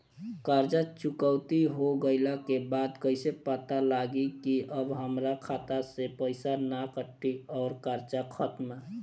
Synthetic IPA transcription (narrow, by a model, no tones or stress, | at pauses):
kaɾd͡ʒat͡ʃukəʊt̪iɦoɡəɪlakebad̪kəɪsepət̪alaɡikiʔəbɦəmɾakʰat̪asepəɪsanakəʈʰːiɔːɾkaɾd͡ʒakʰət̪me